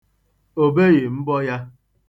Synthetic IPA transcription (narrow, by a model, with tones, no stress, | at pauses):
o˨be˦ɣe˨m̩˦bɔ˦ja˦